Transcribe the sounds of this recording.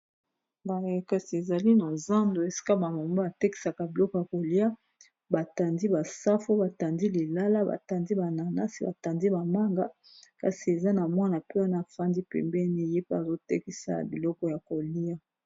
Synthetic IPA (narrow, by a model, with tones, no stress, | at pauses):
ba˨˦ka˨si˨e˨za˨li˦na˨za˦ndo˨e˨si̥˦ka˦ba˨mo˨mba˦a˨te˦ki̥˨sa˨ka˨bi˨lɔ˦kɔ˨ja˨ko˨li˦a˦ | ba˨ta˨ndi˦ba˨sa˦fo˦ba˨ta˨ndi˦li˨la˦la˦ba̰˨ta˨ndi˦ba˨na˨na˦si˨˦ba̰˨ta˨ndi˦ba˨ma˦ŋɡa˦ | ka̰˨si˨e˨za˦na˨mwa˦na˨pe˦wa˦na˨a˨fa˦ndi˦pɛ̰˨mbɛ˦ni˦˨je˦pe˦a˨zo˦te˦ki˦sa̰˦a̰˨bi˨lɔ˦kɔ˦ja˨ko˨li˦a˦